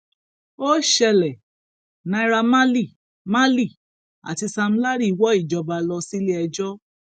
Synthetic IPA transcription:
o˦ʃɛ˧lɛ˨ | nã˨˧i˧ɾa˧mã˦li˦˨ | ma˦li˦˨ | a̰˨ti˧sa˧m̩˦la˦ɾi˦˨wɔ˦i˦˨d͡ʒɔ˨˧ba˧lɔ˧si˦le˦ɛ˧d͡ʒɔ˦

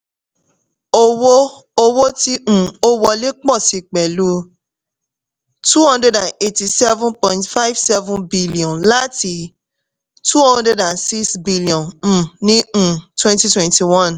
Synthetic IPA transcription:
o˦wo˦ | o˧wo˦tĩ˦˨o˦wɔ˧le˦k͡pɔ˦˨si˧k͡pɛ˨lu˨˦ | tu˦hɔ̃˦ndɛ˧dã˨ne˨ti˧sɛ˦vũ˦pɔ̃˨ĩ˦tfa˦jvsɛ˦vũ˦bi˦li˨ɔ̃˨nla˦ti˦ | tu˦hɔ̃˦nde˧dã˨nsi˦sbi˦li˨ɔ̃˨nĩ˦˨twɛ̃˦nti˧˦twɛ̃˨nti˨wɔ̃˦˨n

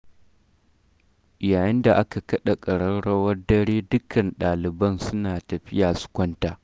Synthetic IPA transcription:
ʔjaː˨jɪ˦nda˨ʔa˦ka˨kɐ˦ɗa˨kʼɐ˨ɽɐ˦ɽɐ˦wɐ˦rdɐ˦ɽeː˦dʊ˦kʰɐ˨nɗaː˨lɪ˨bɐ˦nsʊ˦naː˨tɐ˨ɸɪ˦jaː˨sʊ̥˦kʷɔ˦ntaː˨

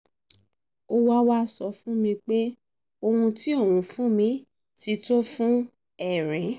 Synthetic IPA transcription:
o˦wa˦wa˦sɔ˧fũ˦mĩ˧k͡pe˦ | o˧ũ˧ti˦o˦˨wũ˨˧˦fũ˦mĩ˧˦ | ti˧˦to˦fũ˦ | ɛ˦˨ɾ̃ĩ˨˦

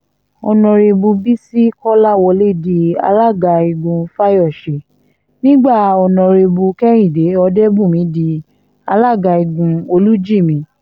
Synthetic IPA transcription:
ɔ̰˧nɔ̃˧ɾe˧bu˧bi˦si˦kɔ˦la˦˨wɔ˧le˦˨di˧a̰˧la˦˨ɡa˧i˧˨ɡũ˧fa˦jɔ˦˨ʃe˨ | nĩ˦ɡ͡ba˦˨ɔ˧nɔ̃˧ɾe˧bu˧kɛ˦ɾ̃ĩ˦˨de˨˦ɔ˧dɛ˦bũ˦˨mĩ˨˦di˧ | a˧la˦˨ɡa˧i˧ɡũ˨˧o˧lu˦d͡ʒi˦˨mĩ˨˦

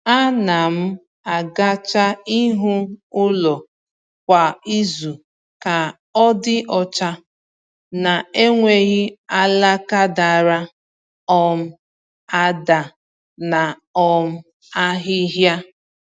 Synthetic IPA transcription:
a˦na˨m̩˦ | a˨ɡa˦t͡ʃa˦i˦ɦu˦ʊ˦lɔ˨ | kʷa˨i˦zu˨ | ka˨ | ɔ˦dɪ˦ʔɔ˦t͡ʃa˦ | na˨e˦ŋʷe˦ɣi˦a˦la˦ka˦da˨ɾa˦ | ɔ˦m̩˦ | a˦da˨ | na˨ | ɔ˦m̩˦ | a˦ɦɪ˦ɦja˦

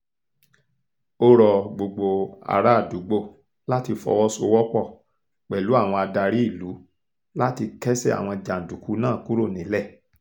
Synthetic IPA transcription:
o˦ɾɔ˨ɡ͡bo˨ɡ͡bo˨a̰˨ɾa˦˨du˨˦ɡ͡bo˦˨ | la˦ti˧fɔ̰˧wɔ˦so˧˦wɔ˦k͡pɔ˦˨ | k͡pɛ˨lu˨˦a˦˨w̃ɔ̃˧a˧da˧ɾi˦i˦˨lu˨˦ | la˦ti˧kɛ˦sɛ˦˨a̰˨w̃ɔ̃˧d͡ʒa˨n̩˨du˨˦ku˨˦nãː˦˨ku˦ɾo˦˨nĩ˨˦lɛ˦˨

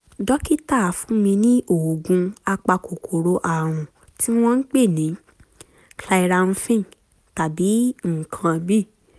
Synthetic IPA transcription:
dɔ˦ki˦ta˦˨˦fũ˨˦mĩ˧nĩ˦ʔo˨ɡũ˧˦a˧k͡pa˧ko˨kʰo˨ɾo˧ʔa˨ɾ̃ũ˨ | tʰi˦w̃ɔ̃˦n̩˦k͡pe˦˨nĩ˨˦ | kla˧i˧ɾa˧ɾũ˧fĩ˦˨ | ta˨bi˨˦ŋ̩˨kʰã˧bi˦˨

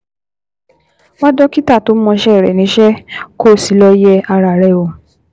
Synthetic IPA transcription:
wa˦dɔ˦ki˦ta˦˨to˨˦mɔ̃˧ʃɛ˦˨ɾɛ˨nĩ˨˦ʃɛ˦ko˦˨si˨˦lɔ˧jɛ˦a˧ɾa˨ɾɛ˦˨o˨

